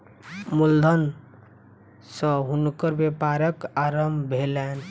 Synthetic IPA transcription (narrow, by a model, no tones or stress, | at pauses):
muld̪ʱən | sə̃ɦunkəɾbepaɾəkaɾəmbʱelɛn